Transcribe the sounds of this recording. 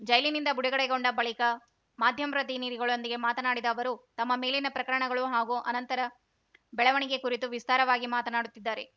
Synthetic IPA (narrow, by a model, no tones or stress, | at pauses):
d͡ʒɐjlinind̪ɐbuɽɛɡɐɽɛɡoɳɖɐbɐɭikɐ | maːd̪ʱjɐmɾɐt̪iniːɾiɡɐɭo̞nd̪iɡe̞maːt̪ɐnaːɽid̪ɐːʋɐɾut̪ɐmːɐme̞ːlinɐpɾɐkɐɾɐɳɐɡɐɭuɦaːɡuʔɐnɐnt̪ɐɾɐ | bɛɭɐʋɐɳiɡe̞kuɾit̪uʋist̪aːɾɐʋaːɡimaːt̪ɐnaːɽut̪ːid̪ːaːɾe̞